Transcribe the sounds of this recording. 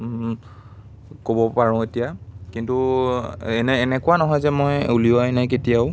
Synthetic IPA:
kobɔpaɹɔ̃etijakintu | ɛnːnɛkʊwanɔɦɔjzɛmɔjulioajnajk̬etijaʊ

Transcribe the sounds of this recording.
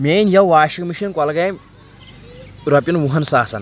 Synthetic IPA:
mʲeːnjɐʋaːʃikmiʃɐnkɐlɐɡɐm | ɾɐpʲjɐnʋuɦɐnsaːsɐ̰n

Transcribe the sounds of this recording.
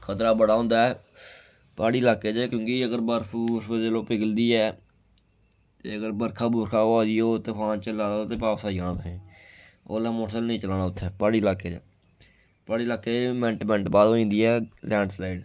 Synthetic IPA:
kʰət̪ɾaːbəɽaːɦõːnd̪aːɛː | paːɽiːlaːkːeːd͡ʒakjõːkɪəɡəɾbəɾfbsəd͡ʒeːloːpɪɡəld̪iːɛː | t̪eːəɡəɾbəɾkʰaːbʊːɾkʰaːoːaːd͡ʒ̪iːoːt̪epʰãːnt͡ʃəlaːoːt̪eːpaːpsaːiːaːnãːtəɦẽː | o̰ːlɛ̃ːmoːʈsəlnəĩːt͡ʃəlaːnaːʊt̪ʰːɛːpaːɽiːlaːkeːd͡ʒaː | paːɽiːlaːkːeːmɛ̃ɳʈmɛ̃ːɳʈbaːd̪oːĩːnd̪iːɛːlɛ̃ːɳɖslaːiɖ

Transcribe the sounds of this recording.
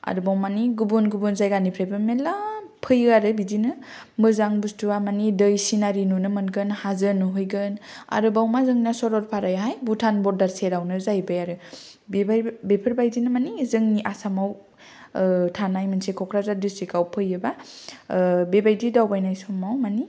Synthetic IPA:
a̰ɾɯbawmaniɡubunɡubunzajɡanipʰɾajbɯmelapʰɯjɯaɾɯbizinɯ | mɯzaŋbustuwamanidɯjsinaɾinunɯmɯnɡɯnhazɯnuɦujɡɯna̰ɾɯbawmazɯŋinasɔɾɔɾpʰaɾajɦajbutʰanbɔɾdaɾseɾawnɯzajbajaɾɯ | bbepʰɯɾbajdinɯmanizɯŋniʔasamaw | tʰanajmɯnsekʰɔkʰɾazadistɾikawpʰɯjɯba | bebajdidawbajnajsɔmawmani

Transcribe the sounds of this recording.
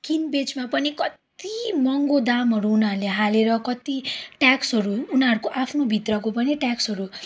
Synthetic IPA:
kinbed͡zmapʌnikʌt̪imʌŋɡod̪amɦʌɾuːnarleɦaleɾʌkʌt̪iʈaksʌɾuːnaɾkoʔapʰnobʱit̪rʌkopʌniʈjaksʌɾu

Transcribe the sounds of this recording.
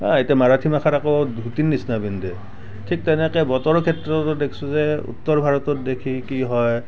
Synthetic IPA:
ãetamaɹatʰimakʰatakodʱutinːisnabindɛ | tʰik̚tɛnɛkɛbɔtɔɹɔkʰɛtɹɔtɔdekʰi̥suzɛṵtːɔɹbʱaɹɔtɔt̚dekʰikiɦɔj

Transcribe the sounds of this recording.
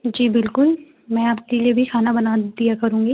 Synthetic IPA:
d͡ʒiːbɪlkʊl | mɛ̃ːaːp̚keliebʱixʰaːnabɐnad̪ijakɐɾũːŋɡiː

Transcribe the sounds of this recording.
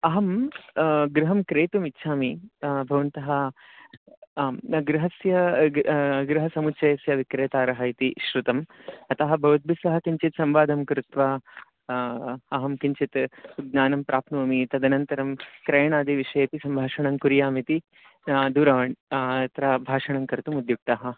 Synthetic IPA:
ɐɦɐm | ɡɾɪɦɐmkɾeːt̪umitːʃʰaːmibʱɐʋɐnt̪ɐɦɐ | ɡɾɪɦɐsjɐ | ɡɾɪɦɐsɐmut͡ʃɐjɐsjɐʋikɾeːt̪aːɾɐɦɐjt̪iʃɾut̪ɐmɐt̪ɐɦɐ̆bʱɐʋɐd̪̚bʱisɐɦɐkiɲt͡ʃit̪sɐmʋaːd̪ʱɐmkɾɪt̪ʋa | ɐɦɐmkiɲt͡ʃit̪uɡ̪̚naːnɐmpɾʔaːpnuːmit̪ɐd̪ɐnɐnt̪ɐɾɐmkɾɐjɐɳaːd̪iʋiʂɐjɐt̪isɐmbʱaːʂɐɳɐmkuɾjaːmit̪i | d̪uːɾaːʋɐɳɐt̪ɾɐbʱaːʂɐɳɐmkɐɾt̪umud̪juk̚t̪ɐɦɐ̆

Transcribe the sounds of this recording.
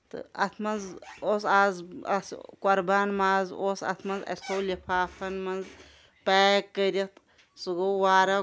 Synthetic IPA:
t̪ɨ̰ɐ̰t̪ʰmɐnzosaːzɐskʷɐɾbaːnmaːzosɐ̰t̪ʰmɐnzɐ̰soːlipʰaːfʰɐnmɐnz | paːkːəɾit̪ | sɨɡowaːɾɐ

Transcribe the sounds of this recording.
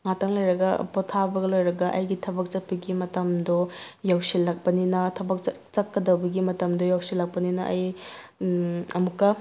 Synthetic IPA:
ŋatʰɐŋlɐjɾɐɡɐ̰potʰabɐɡɐlojɾɐɡɐʔɐ̰jɡitʰɐbɐk̚t͡ʃɐt̚pɐɡimɐtɐmdojawsilːak̚pɐninɐtʰɐbɐk̚ | t͡ʃɐkːɐdɐwbɐɡimɐtɐmdojawsilːɐk̚pɐninɐʔɐj | ɐmukːɐ

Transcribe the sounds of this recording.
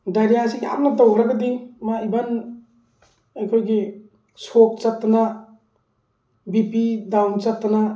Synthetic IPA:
dajɾjasiŋa̰m̚nadowɦɾaɡadimaiban | ajkʰojɡi | sok̚t͡ʃak̚tːana | bipidawt͡ʃap̚t̪ːana

